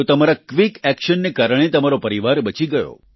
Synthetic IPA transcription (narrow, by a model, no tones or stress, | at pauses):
t̪əmaɾakʋikɛkʃənːekaɾəɳ̃et̪əmaɾopəɾiʋaɾbət͡ʃiɡəjo̰